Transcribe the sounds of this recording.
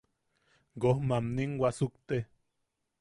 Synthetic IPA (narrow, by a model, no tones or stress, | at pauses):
ɡohmamniŋwasukt̪e